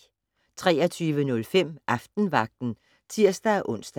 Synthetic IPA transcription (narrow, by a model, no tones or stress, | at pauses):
t͡sʰʁɛːɐt͡sʰyːʋənɔ̽lfem̰ʔɑ̈fd̥n̩ʋɑ̈ɡ̥̚d̥n̩ | t͡sʰiɐ̰sd̥æʔɔ̽n̰sd̥